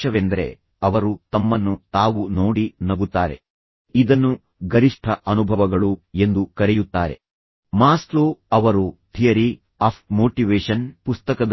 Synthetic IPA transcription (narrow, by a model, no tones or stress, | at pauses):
ɐʋend̪ɐɾe̞̰ | ɐʋɐɾut̪ɐmːɐnːut̪aːʋunoːɽinɐɡut̪ːaːɾe̞̰ | id̪ɐnːu | ɡɐɾiʂʈʰɐʔɐnubʱɐʋɐɡɐɭue̞nd̪ukɐɾɛjut̪ːaːɾe̞̰ | maːsloːɐʋɐɾut̪ʰijɐɾi | aːp̚ʰmoːʈiʋeːʂɐnpust̪ɐkɐd̪